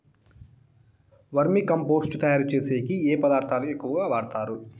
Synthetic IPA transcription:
ʋɐɾmikɐmpoːsʈt̪ɐjaːɾt͡ʃe̞ːseːkieːpɐd̪aːɾt̪ʰaːluekːuʋɐɡaːʋaːɽt̪aːɾu

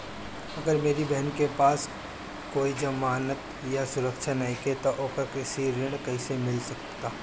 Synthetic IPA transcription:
ɐɡəɾmeːɾibɛɦənkepaːs | koːid͡ʒɐmaːnət̪ | jasʊɾəkʃʰanaiket̪oʔoːkəkɪsiɾɪɽ̃kɐisemɪlsɐkt̪aː

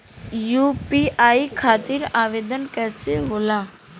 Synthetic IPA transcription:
juːpiːaːikʰaːt̪ɪɾaːʋeːd̪ənkɛːseɦoːlaː

